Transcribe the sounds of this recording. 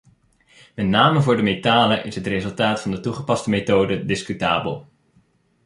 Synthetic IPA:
mɛtnaːməvʊːɹdəmetaːləʔɪsɦətrezɵlˠtaːtfɑndətuχəpɑstəmetowdədɪskytaːbə̰lˠ

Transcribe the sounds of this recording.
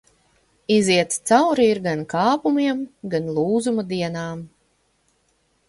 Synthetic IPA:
iziɛt̪st̪sawɾiiɾɡankaːpumiɛmɡanlˠuːzumad̪iɛnaːm

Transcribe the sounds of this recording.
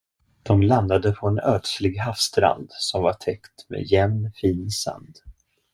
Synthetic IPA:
d̪̥ɔmland̪ad̪əpʰɔɛnœːʈslɪɡɦafst̪ɾa̰nd̪sɔmvaʈʰɛkt̪mḛjɛmnfiːnsa̰nd̪

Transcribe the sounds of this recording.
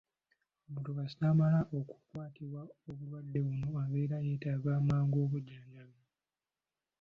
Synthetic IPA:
omutoɡasaːmalaʔo̞ku̥kwaːtiβwaoβulwadːe̞βuno̞aβe̞ːɾajeːtaɡaːmaːŋɡo̞ːβuɟaːɲaβe

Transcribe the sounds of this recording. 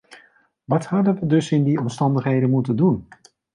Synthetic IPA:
ʋɑthɑdənʋədɵsɪndiɔmstɑndəχɦejdənmutəndun

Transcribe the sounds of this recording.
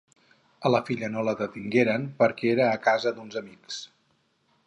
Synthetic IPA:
ələfiʎənoləðət̪iŋɡeɾənpəɾkɛeɾəːkazəd̪unzəmiks

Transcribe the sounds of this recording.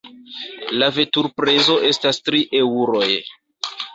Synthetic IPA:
lave̞tuɾpɾezo̞ʔe̞stastɾiʔeuɾo̞j

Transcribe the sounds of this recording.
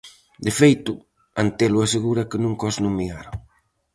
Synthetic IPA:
d̪efejt̪ʊ | ant̪elʊaseɣuɾɐkɪnũŋkɔsnumiɣaɾʊ

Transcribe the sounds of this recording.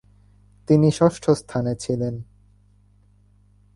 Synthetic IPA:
t̪iniʃɔʃʈʰost̪ʰanet͡ɕʰilen

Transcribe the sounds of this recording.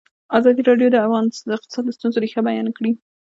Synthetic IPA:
azɑd̪iɾɑɖjod̪əafɣɑnəɪq̚t̪ɪ̥sɑt̪ləst̪unzoɾixabajɑnkɽi

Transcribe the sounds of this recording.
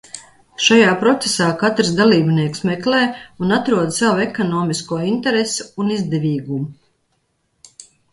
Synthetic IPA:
ʃajaːpɾɔt̪sesaːkat̪ɾsd̪alˠiːbniɛksmɛklɛːunat̪ɾuɔd̪sawɛkɔnɔːmiskuɔint̪ɛɾesu̥unizd̪ɛvʲiːɡumu

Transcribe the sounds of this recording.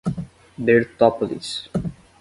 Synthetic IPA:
d̪eːɾt̪ɔpəlḭs

